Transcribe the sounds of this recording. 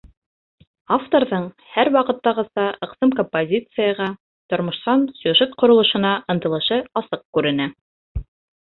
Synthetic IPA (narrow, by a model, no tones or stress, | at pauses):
aft̪o̞ɾðɤɴ | hæɾwɑqɤ̆t̪ːɑʁɤ̆sɑɤ̆qsɤmkompozʲit̪sɨjɑʁɑ | t̪ŏɾmŏʃt̪ɑnsʲɵʒɘt̪̚qŏɾŏlˠɤ̆ʃɤ̆nɑʔɤ̆nt̪ɤ̆lˠɤ̆ʃɤɑsɤq̚kʉɾɘ̆næ